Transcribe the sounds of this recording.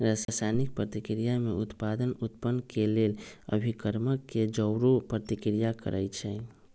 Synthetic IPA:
ɾasasajnik̚pɾət̪ikɾijameʊt̪pad̪ənut̪pənːkelelə̰bʱikəɾməkːed͡ʒəʊɾopɾət̪ikɾijakə̰ɾʔət͡ʃʰɛ

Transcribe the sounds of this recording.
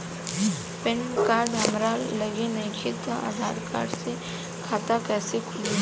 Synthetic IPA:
pɪnkaːɾɖɦɐmɾaːlːəɡenɐĩkʰit̪ãʔa̰ːd̪ʱaːɾka̰ːɾɖse | kʰaːt̪akɛːsekʰʊli

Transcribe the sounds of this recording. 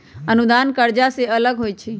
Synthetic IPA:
ənud̪ankəɾd͡ʒaseələɡɦoːit͡ʃʰi

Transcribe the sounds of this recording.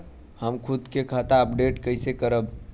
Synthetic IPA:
həmkʰud̪kekʰət̪aəpɖeʈkəɪsekəɾəb

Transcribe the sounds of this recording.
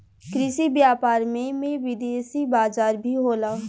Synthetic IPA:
kɾɪʃibjaːpaːɾmẽmẽʋɪd̪eːsibaːzaːɾbʱiɦoːlaː

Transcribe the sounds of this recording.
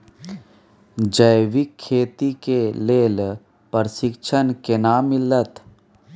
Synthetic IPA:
d͡ʒəjʋikʰːeːt̪ikeleːl | pəɾsɪkt͡ʃʰənkenamɪlət̪

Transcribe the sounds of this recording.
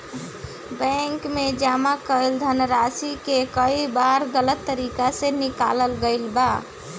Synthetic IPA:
bəŋkmed͡ʒamakəjld̪ʱənɾasikekəibaɾɡələt̪ːəɾikasẽnika̰ləlɡəɪlba

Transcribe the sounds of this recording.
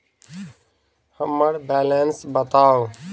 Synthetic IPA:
həmːəɽbɛːlensbət̪aːo

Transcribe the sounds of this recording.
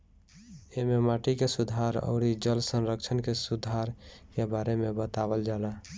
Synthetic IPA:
ememaʈikesud̪ʱaɾə̰ʊɾid͡ʒəlsənɾəkt͡ʃʰənkesud̪ʱaɾkebaɾemebət̪abəld͡ʒala

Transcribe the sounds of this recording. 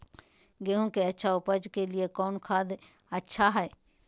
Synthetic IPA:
ɡeɦũkeɐtːʃʰaʊpəd͡ʒkeliekɔːnkʰaːd̪ | ɐtːʃʰaɦɛː

